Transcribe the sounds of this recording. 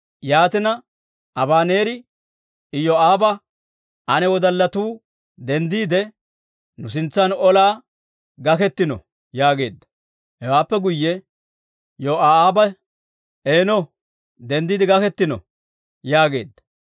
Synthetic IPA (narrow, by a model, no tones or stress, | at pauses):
jaːt̪ɪnɐ | ɐbaːne̞ːɾɪ | ɪjɔaːbɐ | ʔɐnɛwɔd̪ɐlːɐt̪uː | d̪ɛnd̪iːd̪ɛ | nʊs̬ɪnt͡sːɐnɔlaː | ɡɐkɛt̪ːɪnɔ̰ | jaːɡe̞ːd̪ːɐ̥ | hɛwaːpːɛɡʊjːɛ | joaːaːbɐ | eːnɔ | d̪ɛnd̪iːd̪ɪɡɐkɛt̪ːɪnɔ̰ | jaːɡe̞̰ːd̪ːɐ̥